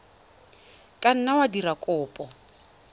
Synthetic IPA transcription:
kʼan̩nawadirakʼʊːpʼɔ

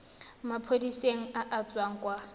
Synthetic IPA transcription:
mapʰodiseŋ̩aʔat͡sʼwaŋ̩kʼwa

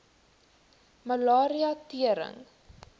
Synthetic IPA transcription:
məlɑːɾiɐtiəɾə̰ŋ

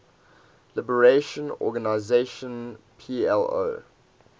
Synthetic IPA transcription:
lɪbəɹeʃə̃nɔ̰ɡanaɪzeʃə̃n | pʰiɛlo̰

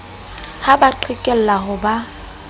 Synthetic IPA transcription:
habaǃʰɪkʼɛl̩laɦʊba

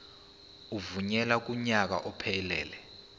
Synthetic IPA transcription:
uvuɲɛlak̬uɲak̬a̰ʔɔpʰɛlɛːlɛ

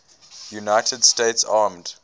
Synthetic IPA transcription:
junaɪtʰədsteɪtsaːmd̥

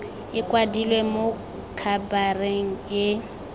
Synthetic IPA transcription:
ɪkʼwadilwemo | kʰabareŋ̩je

